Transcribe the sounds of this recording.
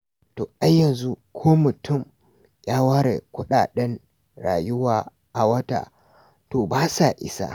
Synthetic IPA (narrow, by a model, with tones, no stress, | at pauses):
toː˨ʔa˦jːɐ˨nzu˦kʷʰoː˦mʊ˨tʊ˦˨m | jaː˦waː˦ɾḛ˨kʷʊ˦ɗaː˨ɗɛ˦n | ɽa̰ː˨jʊ˦waː˨ | ʔa˨wɐ˦ta̰ː˨ | toː˨baː˦sa˨ʔɪ̰˦sa̰˦